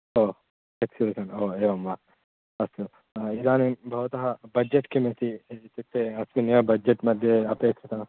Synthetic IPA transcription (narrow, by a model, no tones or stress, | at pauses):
oː | eksibisɐnoːeːʋɐmʋaː | ɐsu | id̪aːnibʱɐʋt̪ɐɦɐbɐd͡ʒeʈkimet̪it̪it̪ʰːeɐsmineʋɐbɐd͡ʒɐʈmɐd̪ʱjeɐpeːkʂit̪ɐnɐ